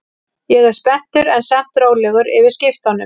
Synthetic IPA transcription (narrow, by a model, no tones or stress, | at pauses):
jɛɣɛɾ̥spɛn̥t̪ʏɾɛnsɛh̪t̪ɾoːwlɛɣʏɾɪ̰vɪðscɪft̪anːʏm